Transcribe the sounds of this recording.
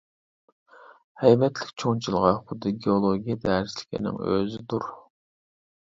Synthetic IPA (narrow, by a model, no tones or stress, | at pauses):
hɛjbɛt̪ʰlɪkʲt͡ʃʰoŋt͡ʃʰilˠʁɑχʊd̪ɨɡʲeolˠoɡʲijed̪ɛːɾɪslɪ̥kʲʰḭnɪ̰ŋø̰zɪd̪uɾ